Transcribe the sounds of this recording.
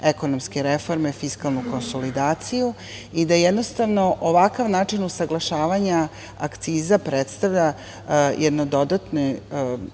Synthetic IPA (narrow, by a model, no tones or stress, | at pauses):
eko̞nomske̞ɾefo̞ɾmefiskalˠnuko̞nso̞lid̪aːt̪siju | id̪ajed̪no̞st̪aʋno̞ʔoʋakaʋnaːt͡ʂinusaɡlˠaʃaːʋaɲa | akt̪siːzapɾet̪st̪aʋʎʲa | jʔed̪nod̪o̞d̪at̪ne